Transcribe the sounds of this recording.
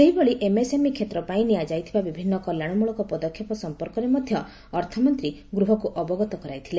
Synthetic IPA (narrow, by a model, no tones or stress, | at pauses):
seɦibɔɭiʔemesemikʰet̪ɾɔpaĩnijad͡ʒajt̪ʰibabibʱinːɔkɔljaɽ̃ɔmuɭɔkɔpɔd̪ɔkʰjɔpɔsɔmpɔɾkɔɾemɔd̪ʱjɔː | ɾt̪ʰɔmɔnt̪ɾiɡɾuɦɔkuʔɔbɔɡɔt̪ɔkɔɾajt̪ʰile